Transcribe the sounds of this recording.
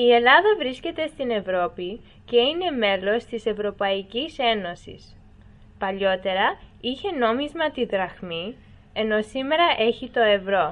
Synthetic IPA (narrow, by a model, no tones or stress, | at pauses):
ie̞lɐðɐvɾisce̞t̪e̞st̪ine̞vɾo̞pi | ce̞ine̞me̞lo̞st̪ise̞vɾo̞pɐicise̞no̞sḭs | pɐʎo̞t̪e̞ɾɐiçe̞no̞mizmɐt̪iðɾɐxmi | e̞no̞sime̞ɾɐʔe̞çit̪o̞e̞vɾo̞